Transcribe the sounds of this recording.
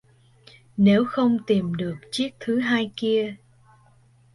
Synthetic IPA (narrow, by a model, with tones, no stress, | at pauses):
ne˨˦wxə˧wŋ͡mt̪i˨˩mɗɨ˨˩ək̚t͡ɕi˦˥ək̚t̪ʰɨ˨˦ɦaː˧jki˧ə